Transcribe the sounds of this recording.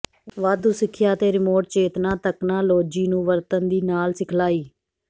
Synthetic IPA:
ʋaːd̪uːsɪkʰːjaːt̪eːɾɪmoːʈ̚t͡ʃeːt̪nãːt̪əknãːloːd͡ʒiːnũːʋəɾt̪ənd̪iːnaːlsɪkʰlaːiː

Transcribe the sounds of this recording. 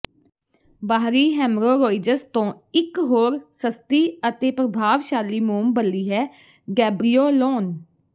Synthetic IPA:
baːɾiːɦɛːmɾoːɾoːɪd͡ʒəɾst̪õː | ɪkɦoːɾsəst̪iːət̪eːpɾəbʱaːʋʃaːliːmuːmbəlːiːɦɛː | ɡɛːbɾiːoːloːn

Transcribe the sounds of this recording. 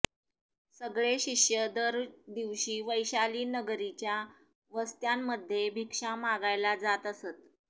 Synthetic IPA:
səɡɭeɕiʂjəd̪əɾd̪iʋɕiːʋəjɕaliːnəɡɾit͡ɕja | ʋəst̪jamːəd̪ʱːjebʱikʂamaɡajlad͡zat̪əsət̪̚

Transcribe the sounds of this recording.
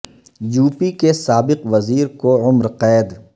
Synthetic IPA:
juːpikesaːbɪqʋɐziːɾkoʊmɾqɛːd̪

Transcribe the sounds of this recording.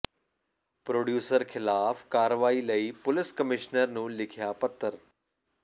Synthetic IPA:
pɾoːɖjuːsəɾxɪlaːfkaːɾəʋaːilɐipʊlɪskəmɪʃnəɾnũːlɪkʰijapɐt̪ːəɾ

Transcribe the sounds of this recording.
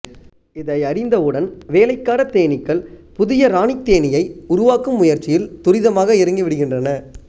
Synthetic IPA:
ɪðɐɪɐɾɪnd̪ɐɯɽɐnʋeːlɐɪkːaːɾɐt̪ːeːnɪkːɐɭpʊðɪjɐɾaːɳɪt̪ːeːnɪjɐɪʊɾʊʋaːkːɯmːʊjɐɾt͡ʃːɪjɪlt̪ʊɾɪðɐmaːɣɐɪɾɯŋɡiʋɪɽɯɣɪndrɐnɐ

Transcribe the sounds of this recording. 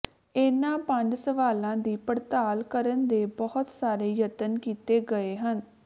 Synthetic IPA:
eːnãːpəɲd͡ʒsəʋaːlãːd̪iːpəɾt̪aːlkəɾənd̪eːbɔɦʊt̪saːɾeːjət̪ənkiːt̪eːɡəeːɦən

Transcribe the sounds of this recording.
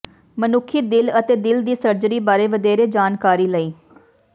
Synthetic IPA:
mənʊkʰːiːd̪ɪlət̪eːd̪ɪld̪iːsəɾd͡ʒɾiːbaːɾeːʋəd̪eːɾeːd͡ʒaːnkaːɾiːləiː

